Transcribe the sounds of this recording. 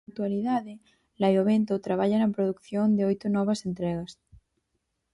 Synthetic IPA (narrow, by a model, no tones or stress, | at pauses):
t̪uwaliðaðe | lajoβ̞ent̪ot̪ɾaβ̞aʎanɐpɾoðukθjond̪eojt̪onɔβ̞asent̪ɾeɣas